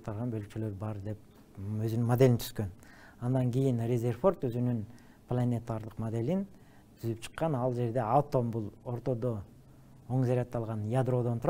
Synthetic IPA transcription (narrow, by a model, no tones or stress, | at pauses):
t̪ːɑɾˠʁɑnbølk̚t͡ʃølø̞ɾbɑɾd̪e̞p̚ | øzynynmod̪e̞lint̪ʰy̥z̥køn | ɑnd̪ɑŋɡʲijinrʲezʲe̞rfo̞rt̪øzynyn | plˠanʲet̪aɾd̪əqmod̪e̞lin | t̪ʰyzypt͡ʃʰɨ̥qːɑnɑlˠd͡ʒe̞ɾd̪e̞awt̪o̞mbulˠo̞ɾt̪o̞d̪o | o̞ŋzeɾɑt̪ːɑlˠʁɑnjad̪ro̞d̪ont̪ʰuɾ